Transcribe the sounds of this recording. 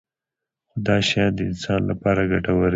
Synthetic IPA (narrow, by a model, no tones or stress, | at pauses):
xʊd̪ɑʃɑd̪əɪnsɑnla̰pɑɾaɡaʈawəɾ